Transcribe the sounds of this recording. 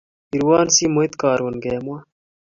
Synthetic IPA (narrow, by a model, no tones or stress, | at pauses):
iɾwaːnsiːmuit̪kaːɾwɐnɡeːmwa